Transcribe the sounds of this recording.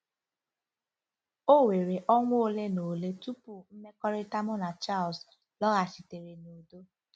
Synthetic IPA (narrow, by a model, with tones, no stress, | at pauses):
o˦we˨ɾe˨ʔɔ˦ŋʷ˦o˦le˦no˨le˦tu˦pu˨m̩˦me˦kɔ˦ɾɪ˦ta˦mʊ˦na˨t͡ʃa˦˨ls | lɔ˦ɣa˨si˨te˨ɾe˨no˨do˦